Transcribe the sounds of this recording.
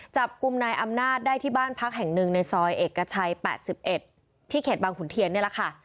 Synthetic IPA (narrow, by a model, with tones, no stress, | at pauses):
t͡ɕa˨˩p̚ku˧mnaː˧jʔa˧mnaː˥˩t̪̚daː˥˩jt̪ʰiː˥˩baː˥˩npʰa˦˥k̚ɦɛ˨˩ŋnɯ˧ŋna˧jsɔː˧jʔeː˨˩kːa˧t͡ɕʰa˧jpɛ̰ː˨˩t̪̚si˨˩p̚ʔe˨˩t̪̚ʰː | iː˥˩kʰeː˨˩t̪̚baː˧ŋkʰu˨˩˦nt̪ʰi˧əni˥˩ɐla˨˩kʰa˥˩